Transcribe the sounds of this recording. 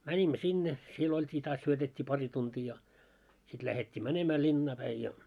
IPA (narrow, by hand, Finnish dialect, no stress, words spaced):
mænʲimːø sinːe siel oltʲiː tɑːs syøtetʲːiː pɑri tuntiː jɑ sit læhetʲːiː mænemæ linːɑː pæi jɑ